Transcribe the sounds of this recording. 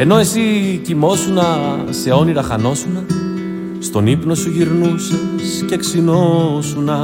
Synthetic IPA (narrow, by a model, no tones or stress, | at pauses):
e̞no̞e̞sicimo̞sunɐ | se̞o̞niɾɐxɐno̞sunɐ | st̪o̞nipno̞suʝiɾnusɐsce̞ksinosunɐ